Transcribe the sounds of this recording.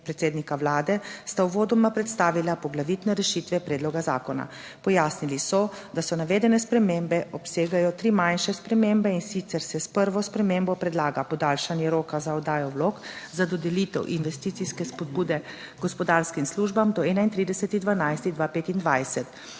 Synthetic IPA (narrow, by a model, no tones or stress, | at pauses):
pɾɛt̪seːd̪nikawlaːd̪ɛst̪awʋoːd̪ɔmapɾɛt̪st̪aːʋilapɔɡlaʋit̪nɛɾɛʃit̪ʋɛpɾɛːd̪lɔɡaza̰ːkɔna̰ | pɔjaːsnilisɔd̪asɔnaʋeːd̪ɛnɛspɾɛmembɛɔpseːɡajɔt̪ɾiːmajnʃɛspɾɛmembɛinsit̪sɛɾsɛspəɾʋɔspɾɛmembɔpɾɛd̪laːɡapɔd̪aːlʃanjɛɾoːkazaɔd̪aːjɔwloːkzad̪ɔd̪ɛlit̪ɛwʔinʋɛst̪iːt̪siskɛspɔd̪̚buːd̪ɛ | ɡɔspɔd̪aɾskimsluːʒbamd̪ɔɛːnaint̪ɾiːd̪ɛsɛt̪id̪ʋanajst̪id̪ʋapeːt̪ind̪ʋajsɛt̪